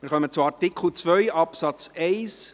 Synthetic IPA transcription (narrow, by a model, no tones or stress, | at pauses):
mɪɾχœmət͡sʊɑɾtɪkʰχl̩t͡svœʏɑpsɑt͡sɛɪs